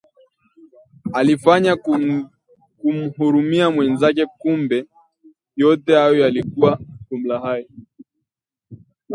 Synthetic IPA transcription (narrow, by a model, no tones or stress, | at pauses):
alifaɲa | kum̩huɾumiamwɛnzak̬ɛkumbɛ | jɔtɛhajɔjalikuwaʄum̩lahajɔ